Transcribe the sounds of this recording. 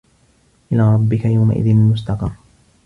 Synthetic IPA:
ʔɪlaːɾˤɑbːɪkajawma̰ʔɪ̰ðɪnɪlmʊst̪ɑqɑrˤː

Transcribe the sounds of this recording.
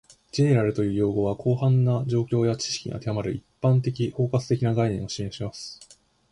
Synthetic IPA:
d͡ʑe̞ne̞ɾaɾɯ̟t̪o̞jɯ̟ːjo̞ːɡo̞βakʰo̞ːɦãnːad͡ʑo̞ːkʲo̞ːjat͡ɕi̥ɕi̥kʲiŋa̰t̪e̞amaɾɯ̟ipːãnt̪e̞k̬ʲiho̞ːkat͡sɨ̥t̪e̞kʲinaɡainẽɰ̃o̞ɕimẽɕimasɨ̥

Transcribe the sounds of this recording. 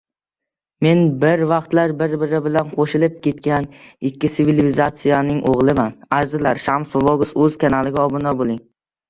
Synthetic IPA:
me̞nbɪɾvɑqt̪laɾbɪɾbɪɾɪbɪlanqʰoʃɪlɪp̚kʲʰe̞t̪̚kʲanɪkʲʰːɪsɪvɪlɪzat̪sijanɪŋʔoʁlˠɪmanaɾzɪlaɾʃamsʊlˠoɡʊsɵzkʲʰanalɪɡʲaɒbʊnabolˠɪŋ

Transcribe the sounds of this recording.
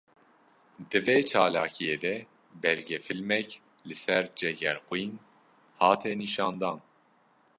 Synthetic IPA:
d̪ɨveːt͡ʃʰɑːlɑ̰ːkʰijeːd̪ɛ | bɛɾɡɛfilmɛc | lɨsɛɾd͡ʒɛɡɛɾxwuin | hɑːt̪ʰɛniʃɑːnd̪ɑːn

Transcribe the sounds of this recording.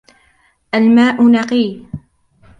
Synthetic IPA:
ʔalmaːʔʊnɑqiː

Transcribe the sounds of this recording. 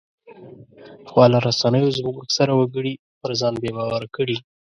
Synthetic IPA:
xwɑlaɾasanəjozməɡksaɾawaɡəɽi | pəɾzɑnbebɑwaɾakəɽi

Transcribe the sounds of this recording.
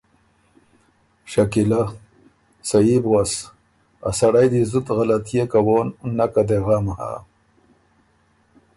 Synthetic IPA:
ʃakila | sajibɣas | a̰saɽajd̪izut̪ɣalat̪ijekawoːnːakad̪eɣamaha̰

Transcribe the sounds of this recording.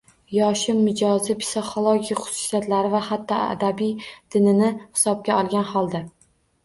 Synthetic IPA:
jɒʃɪmmːɪd͡ʒɒzɪpʰɪ̥sɪχolˠoɡʲijχʊ̥sʊ̥sijat̪laɾɪvahat̪ʰːɒa̰d̪abijd̪̥ɪnɪnɪhɪ̥sɒb̚ɡʲaɒlˠɡʲanhɒlˠd̪a

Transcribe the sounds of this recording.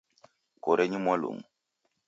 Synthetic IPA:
koɾɛɲimwalo̰ŋu

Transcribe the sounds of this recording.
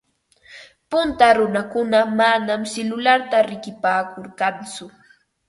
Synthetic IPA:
pʊnt̪aɾʊnakʊnamanamsɪlʊlaɾt̪aɾɪkɪpaːkoɾkant͡sʊ

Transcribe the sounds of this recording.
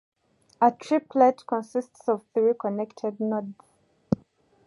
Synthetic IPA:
ətʰɹipʰlɛtkʰɔ̃nsistsɔv̥θɹikʰɔnɛktʰɛd̚nɔds

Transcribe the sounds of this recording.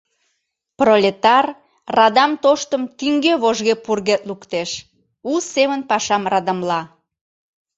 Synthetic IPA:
prolʲet̪ɑr | rɑd̪ɑmt̪oʃt̪əmt̪yŋɡeβoʒɣepurɣet̪̚lukt̪eʃ | usemənpɑʃɑmrɑd̪əmlɑ

